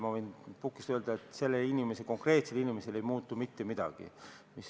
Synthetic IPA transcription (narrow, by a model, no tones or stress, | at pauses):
mɑvojnpukːˑist̪øld̪̥ɑet̪ˑse̞lːeinime̞seko̞ŋkre̞ːt̪se̞linimese̞le̞jmuːt̪ːˑumit̪ːe̞mid̪̥ɑ̰ɡ̥ḭ | mis